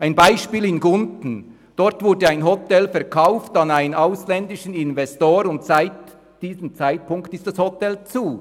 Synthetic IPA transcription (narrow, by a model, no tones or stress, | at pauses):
ʔaɪnbaɪʃpiːlɪnɡʊntn̩ | d̥ɔʁtv̥ʊɐdəaɪnɦɔtɛlfɛɐkʰaʊftɑnaɪnənaʊslɛndɪʃən̩ɪnvɛstoːɾʊntsaɪt | d̥iːzəmt͡saɪt̚pʊŋktɪstd̥ashɔtʰɛlt͡suː